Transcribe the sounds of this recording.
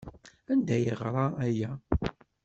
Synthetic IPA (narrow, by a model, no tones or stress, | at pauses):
ænd̪æjəʁɾˤɑæjæ